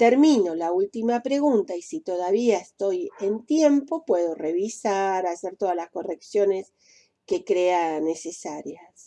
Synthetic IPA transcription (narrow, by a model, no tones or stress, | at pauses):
t̪eɾmĩno̞lault̪imapɾe̞ɣunt̪aisit̪o̞ðaβiaest̪o̞je̞nt̪je̞mpo̞pwe̞ðo̞re̞βisaɾaseɾt̪o̞ðalasko̞re̞ksjo̞ne̞s | ke̞kɾeane̞se̞saɾjas